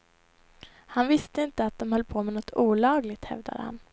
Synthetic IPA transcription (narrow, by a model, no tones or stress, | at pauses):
hanvɪst̪əɪnt̪əat̪̚d̪ɔmhœlːpʰomɛnɔt̪ʰːuːlɑːɡlɪɡ̚t̪hɛ̰vd̪a̰d̪ə̰ha̰n